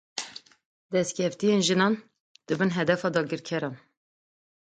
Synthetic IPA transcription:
d̪ɛst̪̚cʲʰɛft̪ijenʒɨnɑːn | d̪̥ɨbɨnɦɛd̪ɛfɑːd̪ɑːɡɨɾkʰɛɾɑːn

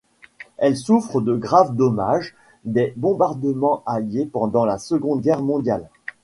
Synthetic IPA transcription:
ɛlsufχəd̪əɡʁavd̪ɔmaʒ | d̪ɛbɔ̃baʁd̪əmɑ̃ʔaljepɑ̃d̪ɑ̃lasəɡɔ̃d̪̚ɡʲɛʁmɔ̃d̪jal

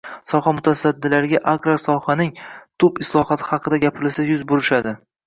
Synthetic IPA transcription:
sɒhamʊt̪ʰasad̪ːɪlaɾɪɡʲaʔakɾasɒhanɪŋt̪ʰʊpɪslˠɒhɒt̪ʰɪ̥hɑqʰɨd̪aɡʲapʰɪɾɪlsajʊzbʊɾɪʃad̪ɪ

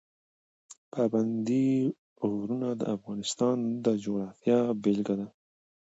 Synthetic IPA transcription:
pʰaband̪i | ɣɾunad̪ə̰afɣɑnɪst̪ɑnd̪əd͡ʒoɣɾɑfjɑbelɡad̪a

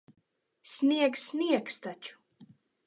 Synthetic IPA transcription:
sʲnʲiɛɡsʲnʲiɛkst̪at͡ʃu̥

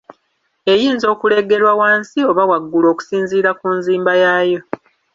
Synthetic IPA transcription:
e̞jiːnzo̞ːkule̞ɡe̞ɾwawaːnsio̞βawaɡːulo̞ːku̥siːnziːɾakunziːmbajaːjo̞

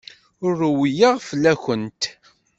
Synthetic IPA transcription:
ʊrːwijəʁfəlːæçənt̪

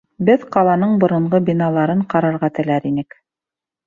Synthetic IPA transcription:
bɘðqɑlˠɑnɤɴbŏɾɤ̆ɴʁɤbinɑlˠɑɾɤɴqɑɾɑɾʁɑt̪ɘ̆læɾinɘk

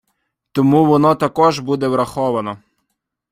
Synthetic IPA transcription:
t̪ɔmuʋɔnɔt̪ɐkɔʒbud̪ɛʋɾɐxɔʋɐnɔ

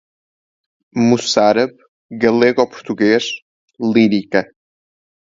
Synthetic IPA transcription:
musaɾɐβ | ɣɐlˠeɣopu̥ɾt̪uɣeʃ | lˠiɾikɐ

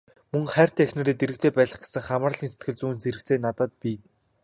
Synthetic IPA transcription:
mɵŋχæːr̥t̪iːŋexʲnĕɾeːt̪eɾɘ̆k̚t̪ʰeːpæːɮə̆χɡe̥sə̆ŋχamarɮiːnse̥t̪ɡɘ̆ɮt͡suːnt͡seɾɘ̆kt͡seːnːat̪ə̆ːt̪̚piː

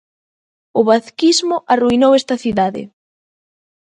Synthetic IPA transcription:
ʊβaθkizmʊʔaruinowest̪ɐθiðaðɪ̰

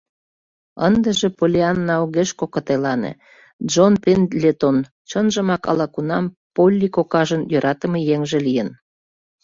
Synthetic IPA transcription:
ə̰nd̪əʒĕpolʲeɑnːɑuɣeʃkokət̪elɑnḛ | ʒonpenlʲet̪on | t͡ɕənʒə̆mɑkɑ̰lɑkunɑm | polʲːikokɑʒənjøɾɑt̪ə̆mejeŋʒĕlijən

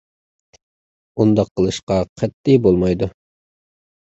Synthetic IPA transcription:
und̪ɑqʰːəlˠɨʃqɑqʰɛt̪ːibolˠmɑjd̪u

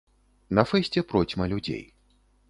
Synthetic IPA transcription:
nɐfɛsʲt͡sʲɛpɾɔt͡sʲmɐlʲud͡zʲḛj

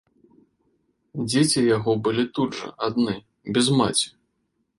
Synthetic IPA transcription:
d͡zʲet͡sʲijaɣɔbɨlʲit̪udʐɐ̰ʔad̪nɨ | bʲɛzma̰t͡sʲi̥

